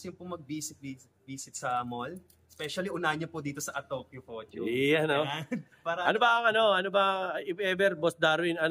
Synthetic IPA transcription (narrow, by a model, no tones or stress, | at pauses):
sjʊmpʊŋmɐɡ̚biːsɪt̪̚bi | biːsɪt̪̚sɐmol | spɛʃɐliʔʊnaɲɐpʊd̪iːt̪osɐʔɐt̪opjufot͡ʃojano | paːɾɐʔɐnobɐʔɐŋɐno̞ɐnobɐɐʔɪfɛvɛɾbosd̪aɾwɪnɐn